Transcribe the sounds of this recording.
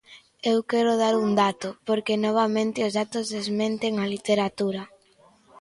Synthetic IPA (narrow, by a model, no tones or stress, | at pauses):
ewkɛɾʊðaɾuŋd̪at̪ʊpoɾkenɔβ̞amẽnt̪ɪʊzðat̪ʊzðezmẽnt̪eŋalit̪eɾat̪uɾa